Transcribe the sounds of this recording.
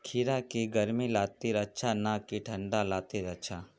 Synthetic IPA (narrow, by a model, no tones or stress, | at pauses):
kʰiɾakiɡɐɾmilaːt̪iɾɐtːt͡ʃʰanakiʈʰɐ̃ɳɖalaːt̪iɾɐtt͡ʃʰa